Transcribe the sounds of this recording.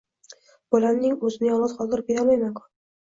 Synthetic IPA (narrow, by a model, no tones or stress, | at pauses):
b̥ɒlamnɪŋɵzɪnɪjɒlɒt̪χɒd̪ɪɾbeɾalajmakʰʊ̥